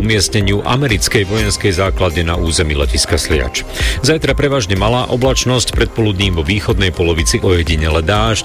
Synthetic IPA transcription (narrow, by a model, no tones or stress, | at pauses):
umɪɛsɲɛɲɪuʔa̰mɛɾit͡skɛjʋɔjɛnskɛjzaːklad̪ɲɛnauːzɛmilɛ̰ciskaslɪa̰t͡ʃ | zajt̪ɾapɾɛʋaːʒɲɛmalaːʔɔblat͡ʃnɔscpɾɛt̪̚pɔlud̪ɲiːmʋɔʋiːxɔd̪nɛjpɔlɔʋit͡siʔɔjɛɟiɲɛlɛd̪aːʃ